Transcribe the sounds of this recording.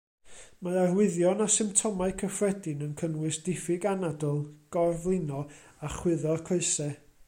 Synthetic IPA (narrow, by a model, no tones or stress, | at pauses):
maarwɪðjɔnasɪmptʰɔmaɨkʰəfrɛdɪnənkʰənwɨsd̥ɪfɪɡanadɔlˠɡ̥ɔrvlˠɪnɔ | aχwɪðɔkʰoɨsɛ